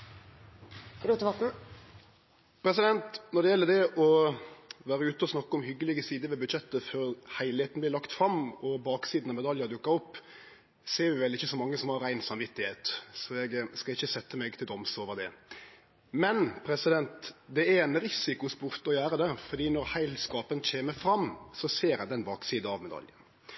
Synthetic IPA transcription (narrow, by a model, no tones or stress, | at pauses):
ɾuːt̪əʋɑt̪n̩ | pʰɾɛsɪd̪ɛnt̪nɔd̪ɛjɛlːəd̪ɛʔɔ | ʋæːɾəʉːt̪əɔsnɑkːɔmhʏɡːəlɪɡəsiːd̪əʋɛbʉd̪ʃɛt̪ːəfœɾhæɪlɪheːt̪n̩blɪlɑkt̪fɾɑmɔbɑːksiːd̪nɑmɛd̪ɑljəɾɑd̪ʉkːɑɔpː | seːɾʋɪʋɛlɪçːəsɔmɑŋːəsɔmhɑɾæɪnsɑmʋɪt̪ːɪheːt̪sɔɛɡskɑlɪçːəsɛt̪ːəmɛɡt̪ʰɪld̪ɔmsoːʋəʁd̪ɛ | mɛnpʰɾɛsɪd̪ɛnt̪d̪ɛæɾɛnɾɪsɪkʊspʊɾt̪ɔjæːɾəd̪ɛfɔɾd̪iːnɔɾhæɪlskɑːpənc͡çeːməɾfɾɑmːsɔseːɾɛd̪ɛnbɑːksiːd̪əɑʋmɛd̪ɑ̰ljə